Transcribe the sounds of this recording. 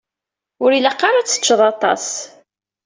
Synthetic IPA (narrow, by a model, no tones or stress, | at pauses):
ʊɾiləqːɑɾˤat͡sːə̥t͡ʃːəðˤɑt̪ˤɑ̰s